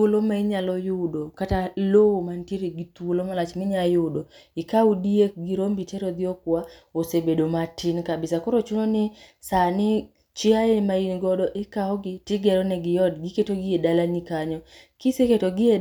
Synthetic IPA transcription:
olomaiɲalɔjʊdokatalowomantiɾeɡɪt̪wolomalat͡ʃmɪɲajʊdoɪkaudiek̚ɡiɾombitɛɾɔd̪ɪɔkwaosebedomatinkabɪsakɔɾot͡ʃunonɪsanɪ | t͡ʃɪaemainɡɔdɔʔɪkaɔɡɪtɪɡɛɾɔnɛɡɪjɔdɡiketoɡɪedalanikaɲɔ | kiseketoɡɪe

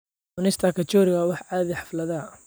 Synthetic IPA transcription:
ʊnɪst̪ʰɐkʰɐt͡ʃɔɾɪɣawɑħʕɑːðɪħɑ̥flɐðɐ

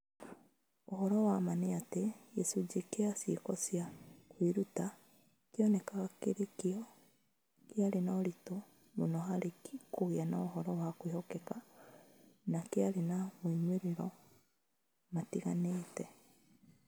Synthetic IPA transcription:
oɦɔɾɔwamaneatejɛsud͡ʒekeasekɔsjakwiɾuta | keɔnɛkaɣakeɾekeɔ | keaɾenaɔɾito | monɔɦaɾekikoɣeanaoɦɔɾɔwakwehɔkɛka | nakeaɾenamoiɲweɾeɾɔ | matiɣaneːtɛ

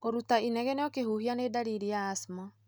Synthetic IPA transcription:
koɾutainɛɣɛneɔkehuhianedaɾiɾiaːsmɔ

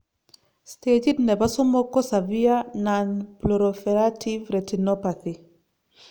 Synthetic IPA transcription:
st̪eɟitnɛbasumɔkɔsaviananploɾofeɾatʰivɾɛtinɔpaθi

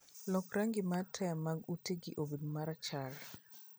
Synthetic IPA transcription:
lɔkɾaŋɡɪmatʰɛmaɡuteɡiʔobidmaɾat͡ʃal

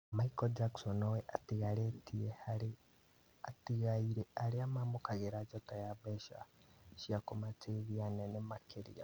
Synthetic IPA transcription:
maikɔd͡ʒaksɔnɔwɛʔatiɣaɾetiehaɾe | atiɣaiɾeaɾeamamokaɣeɾad͡ʒɔtajaβɛʃa̰ʃiakomateβianɛnemakʰeɾḭja̰

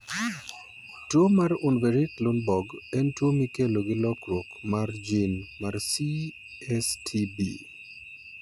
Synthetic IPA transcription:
twomarʊnveɾɪtlʊnbɔɡɛntwomikeloɡɪlɔkɾwokmard͡ʒinmarsi | ɛstʰibḭ

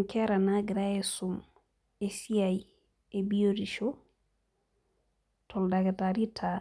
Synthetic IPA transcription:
ŋkɛɾanaɡɾaesum | esiaj | ebioɾiʃo | tʰoldaɡetaɾitʰa

